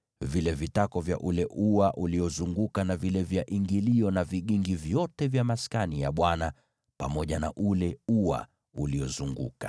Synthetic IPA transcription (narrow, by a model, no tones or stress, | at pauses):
vilɛvitakɔvja̰ʔulɛʔuaʔuliɔzuŋɡukanavilɛvjaʔiŋɡiliɔnaviɠiŋɡivjɔtɛvjamaskanijaɓwana | pa̰mɔʄana̰ʔulɛua̰ | uliɔzuŋɡṵkḁ